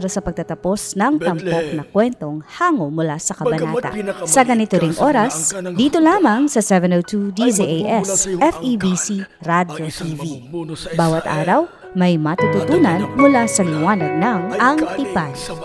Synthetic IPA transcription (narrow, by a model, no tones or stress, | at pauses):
ɾɐsɐpɐɡ̚t̪ɐt̪ɐpo̞snɐŋt̪ɐmpok̚nɐkwɛnt̪o̞ŋhaːŋomʊlasɐkɐbɐnat̪ɐ̰sɐɡɐnɪt̪oɾɪŋʔo̞ɾɐsd̪iːt̪olaːmɐŋsɐsɛvɛnot̪ud̪iziʔeʔɛsʔɛfibisi | ɾad̪jot̪iːvibaːwɐt̪ʔa̰ːɾɐw | mɐjmɐt̪ut̪ʊt̪uːnɐnmʊlasɐlɪwaːnɐɡ̚nɐŋʔɐŋt̪ipaj